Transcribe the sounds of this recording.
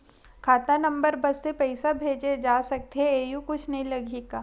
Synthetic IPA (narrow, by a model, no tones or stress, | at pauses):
kʰaːt̪anɐ̃mbəɾbɐsːepɛɪsabʱeːd͡ʒed͡ʒaːsɐk̚t̪eɦeeːjukʊt͡ʃʰnɐɦĩlɐɡʱeːɡaː